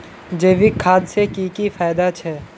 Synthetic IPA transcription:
d͡ʒeːʋikʰːaːd̪sekiːkifaːjd̪at͡ʃʰɛː

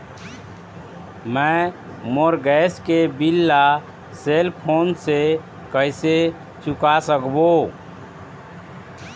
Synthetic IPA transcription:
mə̃ | moɾɡɛskebilːa | selpʰonse | kəɪse | t͡ʃukasəkbo

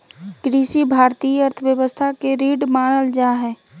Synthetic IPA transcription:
kɾiʃibʱaːɾt̪iːəəɾt̪ʰəʋjəwəst̪ʰakeɾiːɖmaːɽ̃əld͡ʒaɦɛː

